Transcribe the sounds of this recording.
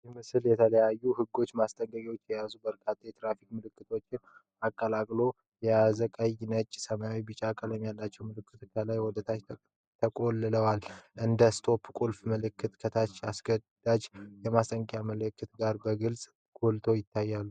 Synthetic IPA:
jimɨsɨljɛt̪ʰələjajːuhɨɡːo̞t͡ʃːmast̪ʼəŋɡəɡʼot͡ʃːjɛjazubəɾkʰat̪ʰːajɛt̪ʼɾafikmɨlɨkːɨt̪ʰo̞t͡ʃːɪn | akʼːəlakʼlo̞ | jɛazəkʼajnət͡ʃʼsəmajawibɨt͡ʃʼakʼələmjalːat͡ʃːɛwmɨlɨkːɨt̪kʰəlajwɔd̪ət̪ʰa | t̪ʰəkʼo̞lːɨləwalʔɨnd̪əst̪ʰo̞pkʼulfməlɨkʰːɨt̪kʰət̪ʰat͡ʃːasɡəd̪̥ad͡ʒjɛmast̪ʼəŋɡəkʼjaməlɨkːɨt̪ɡaɾbəɡɨlsʼ | ɡ̥olt̪ʰo̞jɪt̪ʰːajːalːu

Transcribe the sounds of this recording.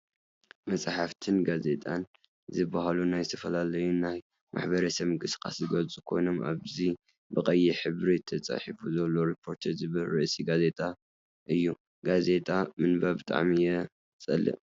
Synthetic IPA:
mɐt͡sʼħaft̪ʰɨnɡaze̞t̪ʼan | zɨbːaɦalunajzɨt̪ʰɐfɐlalɐjunaj | mʔa̰ħbɐɾɐsɐmɨkʼɨsɨ̥kʰʼa̰szɨɡɐlt͡sʼukʰo̞̰jno̞mʔa̰βzi | bɨkʼɐjːiħɨβɾit̪ʰːɐt͡sʼa̰ħifuzɐlːo̞ɾipʰːo̞ɾt̪ʰɐzɨβɨlɾɨʔsʼiɡaze̞t̪ʼa | ʔɨjːu | ɡaze̞t̪ʼamɨnbɐbɨt̪ʼa̰ʕmijɛ | t͡sʼɐ̰lːɨ̰ʔ

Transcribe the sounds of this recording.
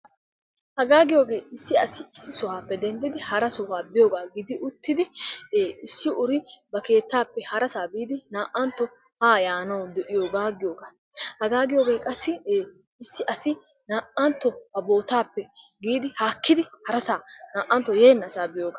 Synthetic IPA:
hɐɡaːɡɪjo̞ːɡe̞ːɪsːɪɐsɪɪsːɪsɔhaːpːɛd̪ɛnd̪ɪd̪ɪhɐɾɐsɔhaːbɪjo̞ːɡaːɡɪd̪ɪʔʊt̪ːɪd̪ɪ | ɪsːɪʔʊɾɪbɐke̞ːt̪ːaːpːɛhɐɾɐsaːbiːd̪ɪnaːʔːɐnt̪ːɔ | haːjaːnɐwd̪ɛʔɪjoːɡaːɡɪjoːɡa | hɐɡaːɡɪjo̞ːɡe̞ːkʼɐsːɪ | ɪsːɪʔɐsɪ | naːʔɐnt̪ːɔhɐbo̞ːt̪aːpːɛ | ɡiːd̪ɪhaːkːɪd̪ɪhɐɾɐsaːnaːʔːɐnt̪ːɔje̞ːnːɐsaːbɪjoːɡaː

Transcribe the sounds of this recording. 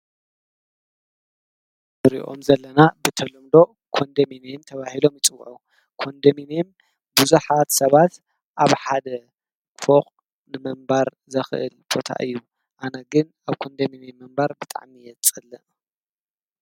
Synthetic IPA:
bɨɾḭʔo̞̰mzɐlːɐnabɨt̪ʰɐlumd̪o̞ | kʰo̞nd̪ɐminiɛmt̪ʰɐβahilo̞mjɪt͡sʼɨw̰ːʔɐ | kʰo̞nd̪ɐmineɛm | buzuħat̪sɐβat̪ | ʔaβħad̪ɐ | foχʼ | nɨmɐmbaɾ | zɐxɨʔɨ̰lbo̞t̪ʰa̰ʔɨjːu | ʔanɐɡɨn | aβkʰo̞nd̪ɐminimːɨmbaɾbɨt̪ʼa̰ʕmijɛt͡sʼɨlɨ

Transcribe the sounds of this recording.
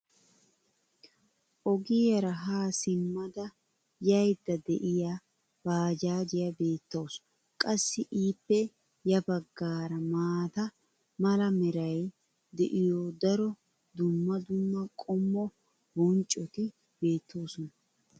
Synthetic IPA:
ʔɔɡiːjɐɾɐɦaːsɪmːɐd̪ɐ | jɐjd̪ɐd̪ɛ̰ʔɪja | baːd͡ʒaːd͡ʒɪjɐbe̞ːt̪ːoːs | kʼɐsːɪʔiːpːɛ | jɐbɐɡːaːɾɐmaːt̪ɐ | mɐlɐmɛɾɐj | d̪ɛʔɪjoːd̪ɐɾɔ | d̪ʊmːɐd̪ʊmːɐkʼɔmːɔ | bɔnt͡ʃʼːɔt̪ɪ | be̞ːt̪ʰːo̞ːsɔnɐ

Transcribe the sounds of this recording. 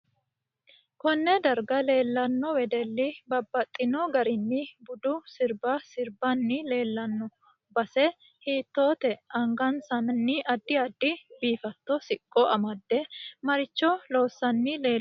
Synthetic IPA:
kɔnːɛd̪ɐɾɡɐle̞ːlːɐnːɔwɛd̪ɛlːɪbɐbːɐt̪ʼːɪnɔɡɐɾɪnːɪbʊd̪ʊsɪɾbɐsɪɾbɐnːɪle̞ːlːɐnːɔ | bɐsɛ | hiːt̪ːo̞ːt̪ɛʔɐŋɡɐnsɐnnːɪʔɐd̪ːɪɐd̪ːɪbiːfɐt̪ːɔsɪkʼːɔʔɐmɐd̪ːɛmɐɾɪt͡ʃːɔlo̞ːsːɐnːɪleː

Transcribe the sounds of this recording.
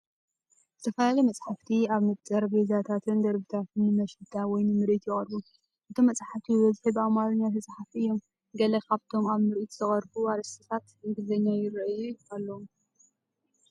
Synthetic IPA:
zɨt̪ʰɐfɐlalɐjmɐt͡sʼħaft̪ʰiaβmɨt̪ʼɐɾbezat̪ʰat̪ʰɨnd̪ɐɾbit̪ʰat̪ʰɨnːɨmɐʃɨt̪ʰawɔjnɨmɨɾʔit̪jɪχʼɐɾbu | ʔɨt̪ʰomːɐt͡sʼħaft̪ʰibɐzħɨbamaɾɨɲːat̪ʰɨt͡sʼħafiɨjːo̞m | ɡɐlɐkʰaβt̪ʰo̞maβmɨɾʔit̪zɨχʼɐɾbuaɾɐsʰɨt̪ʰat̪ɨŋɡɨzɐɲːajɪɾɐjualːɐu

